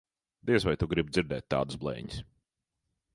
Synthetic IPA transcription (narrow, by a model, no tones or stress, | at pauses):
d̪iɛsvajt̪uɡɾibd̪ziɾd̪ɛːt̪̚ʲt̪ːa̰ːd̪sblˠɛ̰ːɲis